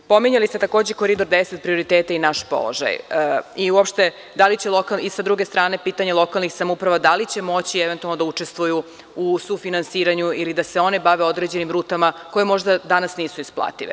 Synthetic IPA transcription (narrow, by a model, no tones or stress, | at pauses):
po̞miɲalist̪e̞t̪ako̞ːd͡ʑekoɾid̪o̞ɾd̪eset̪̚pɾio̞ɾit̪eːt̪ainaʃpo̰lˠo̰ʒa̰jəiuopʃt̪e̞ | d̪alit͡ɕelˠo̞kalisad̪ɾuɡest̪ɾaːne̞piːt̪aɲelˠo̞kalˠnixsamoupɾaʋad̪alit͡ɕe̞mo̞t͡ɕiɛʋent̪ualnod̪aut͡ʂest̪ʋuju | usufinansiːɾaɲuilid̪aseo̞nebaʋeo̞d̪ɾed͡ʑe̞nimɾuːt̪amako̞je̞mo̞ʒd̪ad̪anasniːsuisplˠa̰ːt̪iʋḛ